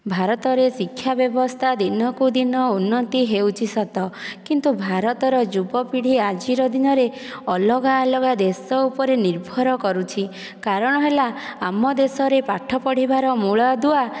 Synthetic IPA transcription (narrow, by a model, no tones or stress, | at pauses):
bʱaɾɔt̪ɔɾesikʰːjabjɔbɔst̪ʰad̪inɔkud̪inɔunːɔt̪iɦeuwt͡ʃʰisɔt̪ɔkint̪ubʱaɾɔt̪ɔɾɔd͡ʒubɔpiɽ̤iad͡ʒiɾɔd̪inɔɾe | ɔlɔɡalɔɡad̪esɔupɔɾeniɾbʱɔɾɔkɔɾut͡ʃʰi | kaɾɔɽ̃ɔɦelaːmɔd̪esɔɾepaʈʰːɔpɔɽ̤ibaɾɔmuɭad̪ua